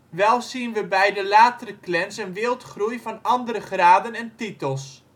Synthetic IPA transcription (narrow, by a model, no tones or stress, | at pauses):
ʋɛlˠsinʋəbɛjdəlaːtərəklɛnsənʋɪːlˠtχrujvɑnɑndəɾəχraːdənɛntitəlˠs